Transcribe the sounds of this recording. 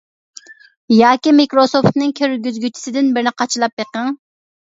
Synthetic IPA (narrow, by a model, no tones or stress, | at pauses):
jɑːkʲimikɾosoft̪nɨŋkʲʰøɾɡʲyzɡʲyt͡ʃʰi̥sɪd̪ɪnbɪɾnɪqʰɑt͡ʃʰilˠɑp̚beqəŋ